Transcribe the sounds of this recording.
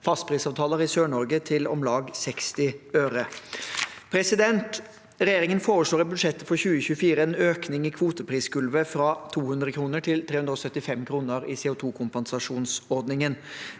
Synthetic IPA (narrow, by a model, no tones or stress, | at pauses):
fɑst̪pʰɾiːsɑːʋt̪ʰɑːləɾɪsøːɳɔɾɡət̪ʰɪlɔ̰mlɑːɡsɛkst̪ɪøːɾə | pʰɾɛsɪd̪ɛnt̪ | ɾɛjeːɾɪŋənfoːɾəʂɭoːɾɛbʉd̪ʂɛt̪ːəfɔɾçʉːəçʉːəfiːɾəɛnøːknɪŋɪkʰʋuːt̪əpʰɾiːskʰʉlʋəfɾɑt̪ʰuːhʉnd̪ɾəkʰɾuːnəʈʰɪlt̪ʰɾeːʉnd̪ɾɔsœt̪ːɪfɛmkʰɾuːnəɾɪseːʊːt̪ʰuːkʰʊmpɛnsɑʂuːnsɔɾd̪nɪŋən